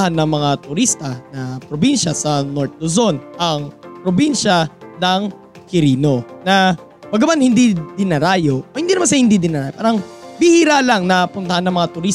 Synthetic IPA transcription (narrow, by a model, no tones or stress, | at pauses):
hanːɐŋmɐŋat̪ʊɾist̪ɐnɐpɾobinʃɐsɐnoɹt̪̚lozonʔɐŋpɾobinʃɐnɐŋ | kɪɾiːno̞nɐ | bɐɡɐmanhɪnd̪id̪ɪnɐɾaːjo̞hɪnd̪iːnmansɐjhɪnd̪id̪ɪnɐɾaːjopa̰ːɾɐŋbɪhiɾalaŋnɐpʊnt̪ɐhanːɐŋmɐŋat̪ʊɾis